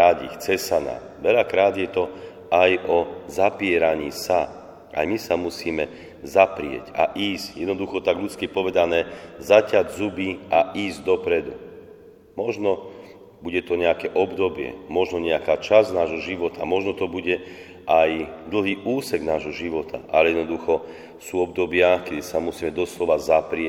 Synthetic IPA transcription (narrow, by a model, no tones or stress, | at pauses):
aɟḭxt͡sɛsana̰ː | ʋɛʎakɾaːd̪jɛt̪ɔ | ajɔzapɪɛɾaɲiːsa | ʔa̰jmisamusiːmɛ | zapɾɪɛ̰ca̰ʔiːzcjɛd̪nɔd̪uxɔt̪aɡʎut͡skipɔʋɛd̪anɛːzacaɟzubiʔaiːzd̪ɔpɾɛd̪ṵ | mɔʒnɔ | buɟɛt̪ɔɲɛakɛʔɔbd̪ɔbɪɛ̰mɔʒnɔɲɛakaːt͡ʃaznaːʒɦɔʒiʋɔt̪ʰamɔʒnɔt̪ɔbuɟɛ | ʔajd̪l̩ˠɦiːʔuːsɛɡnaːʒɦɔʒiʋɔt̪ʰa̰ʔalɛjɛd̪nɔd̪uxɔ | suːɔb̚d̪ɔbɪakɛd̪isamusiːmɛd̪ɔslɔʋazapɾɪɛ